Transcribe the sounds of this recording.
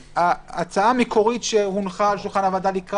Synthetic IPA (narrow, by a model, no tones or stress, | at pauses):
aːt͡saamekʰo̞ʁitʃehunχalʃulχanavad̪alikʁ